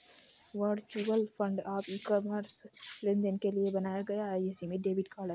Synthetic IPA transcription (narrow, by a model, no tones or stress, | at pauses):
ʋəɾɖt͡ʃuːʋəlfʰə̃ɳɖaːpiːkɔməɾslɪ̃nd̪ənkeliebɐnaːjaɡɐjaɛjɪsimẽɖeːʋɪʈkaːɾɖəɾ